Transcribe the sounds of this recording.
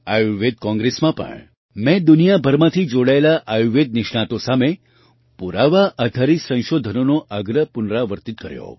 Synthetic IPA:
ajuʋed̪kɔ̃ŋɡɾesmãpə̰ɳ | mɛ̃d̪unijabʱəɾmãt̪ʰid͡ʒoɽaelaʔajuʋed̪̚niʃɳãt̪osame | puɾaʋaʔəd̪ʱaɾisə̃w̃ʃod̪ʱənonoʔəɡɾəpunɾaʋəɾt̪it̪̚kəɾjo̰

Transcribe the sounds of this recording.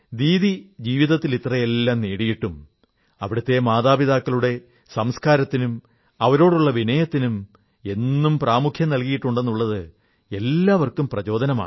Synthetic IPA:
d̪iːðid͡ʑiːʋiðɐt̪ːilit̪rɐjelːaːmneːɽijiʈːum | ɐʋiɽɐt̪ːe̞maːðaːbiðaːkːɐɭuɽe̞ | sɐmskaːɾɐt̪ːinum | ɐʋɐɾo̞ːɽuɭːɐʋinɐjɐt̪ːinum | e̞nːumpraːmukʰjɐmnɐlkijiʈːuɳɖe̞nːuɭːɐðɨ | e̞lːaːʋɐrkumprɐt͡ɕo̞ːd̪ɐnɐma̰ːɳ

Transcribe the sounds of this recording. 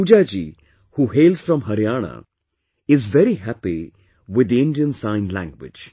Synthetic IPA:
puːd͡ʒad͡ʒḭː | huːɦeːlz̥fɾɔ̃mɦɐɾjaːɳ̃a̰ | ɪzʋɛɾiɦæpi | wɪd̪ɪ̃nɖijə̃nsãɪ̃nlæ̰̃ŋɡwɪ̰d͡ʒ

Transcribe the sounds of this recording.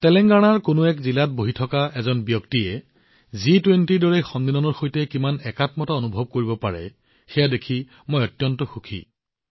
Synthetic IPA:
tɛlɛŋɡaɽ̃aɹkonʊɛkzilat̚boɦitʰɔkaɛzɔnbjɔktiɛ | zitwentidɔɹɛxɔndinɔnɔɹxojtɛkimanɛkatmɔtaonubʱɔb̚koɹibɔpaɹɛ̰ | xɛjadekʰi | mojɔtjɔntɔxukʰḭ

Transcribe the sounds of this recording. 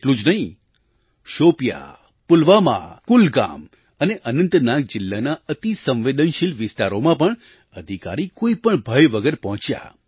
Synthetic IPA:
eʈlũd͡ʒnəɦĩ | ʃopja̰ | pʊlʋamã̰kulɡa̰m | əneʔənənt̪nak̚d͡ʒɪlːanaət̪isə̃mʋed̪ənʃilʋɪst̪aɾomãpəɳ | əd̪ʱika̰ɾikoipəɳbʱəjʋəɡəɾpɔɦɔ̃t͡ʃja̰

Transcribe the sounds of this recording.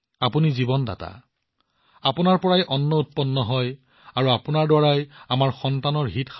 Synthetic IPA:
apunizibɔnda̰ta̰ | apʊnaɹpɔɹajʔɔnːɔut̚pɔnːɔɦɔj | aɹuapʊnaɹdɔɹajamaɹxɔntanɔɹɦitx

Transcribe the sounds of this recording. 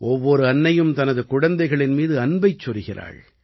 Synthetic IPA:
ʔɔʋːɔɾɯɐnːɐjɯmt̪ɐnɐðɯkʊɽɐnd̪ɐɪɣɐɭɪnmiːðɯɐnbɐɪt͡ʃːɔɾɯɣɪra̰ːɻ

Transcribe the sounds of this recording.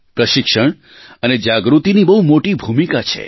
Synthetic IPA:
pɾəʃɪkʃəɳ̃ | əned͡ʒaɡɾut̪inibəɦumoʈibʱumikat͡ʃʰḛ

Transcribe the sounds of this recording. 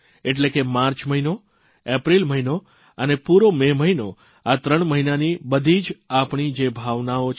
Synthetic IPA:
eʈ̬lekemaɾt͡ʃməɦino | epɾilməɦino | ənepuɾomeməɦino | at̪ɾəɳməɦinanibəd̪ʱid͡ʒapɳ̃id͡ʒebʱaʋnaot͡ʃʰ

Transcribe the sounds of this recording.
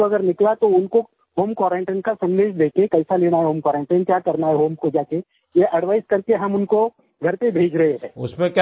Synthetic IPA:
oɐɡəɾnɪklat̪oʊnko | ɦoːmkwaːɾẽːɳʈeːnkasɐ̃nd̪eːʃd̪eːkẽkɐɪsaleːɽ̃aɦɛɦoːmkwaːɾẽːɳʈeːnkjaːkɐɾnaɦɛɦoːmkod͡ʒaːke | jeʔɐɽʋaːɪskɐɾkeɦɐmʊnko | ɡʱɐɾpẽbʱeːd͡ʒɾɐɦeɦɛ̃ːʊ̰spẽkj

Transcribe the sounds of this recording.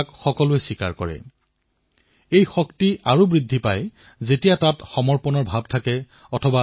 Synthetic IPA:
kxɔkɔlʊɛsika̰ɹkɔɹɛ̰ | ejxɔktiaɹubɹidʱːipaj | zetijatatxɔmɔɹpɔnɔɹbʱab̚tʰakɛ | ɔtʰɔba

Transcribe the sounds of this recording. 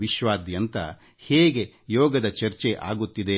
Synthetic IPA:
ʋiʃʋaːd̪jɐnt̪ɐ | heːɡe̞ | jɔːɡɐd̪ɐt͡ʃɐɾt͡ʃeʔa̰ːɡut̪ːid̪e

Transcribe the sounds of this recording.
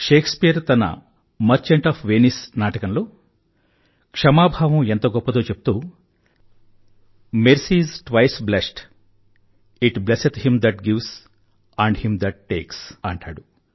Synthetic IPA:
ʃe̞ːkspijɐɾt̪ɐnɐ̰ | mɐɾt͡ʃeɳʈaːpʰʋeːnisnaːʈɐkɐnlo̞ː | kʂɐmaːbʱaːʋɐ̃ment̪oɐɡɔpːɐt̪oːt͡ʃepu̥t̪uː | meɾsizʈʋɐjsblesʈ | iʈbleset̪himd̪ɐʈɡiʋs | aɳɖhimd̪ɐʈ̚ːe̞ːksɐɳʈa̰ːɽu

